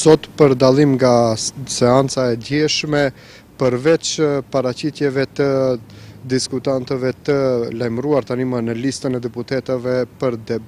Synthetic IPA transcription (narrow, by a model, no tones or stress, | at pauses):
sɔt̪pəɾd̪alˠimɡasɛant͡saɛd̪jɛʃmɛ | pəɾvɛt͡ʃpaɾat͡ɕit̪jɛvɛt̪ə | d̪iskut̪ant̪əvɛt̪əlajmɾuaɾt̪animənəlist̪ənɛd̪ɛput̪ɛt̪əvɛpəɾd̪ɛ